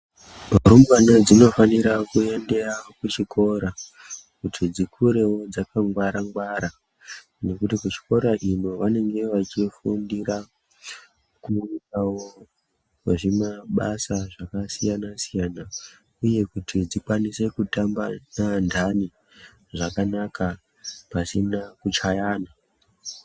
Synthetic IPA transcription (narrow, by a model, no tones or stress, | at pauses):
bʱoɾumwanad͡zino̞faniɾakue̞nde̞rakut͡ʃikʰo̞ɾa | kutʰid͡zikʰuɾe̞wo̞d͡zakaŋɡwaɾaŋɡwaɾa | no̞kutikut͡ʃi̥ko̞ɾaʔino̞ʋane̞ŋɡe̞ʋat͡ʃifundira | kuiawo | ʐimaɓasaʐakasijanasijana | uje̞kutʰid͡zikwanise̞kutambanandʱani | ʐakanakʰa | pasinakut͡ʃajaːna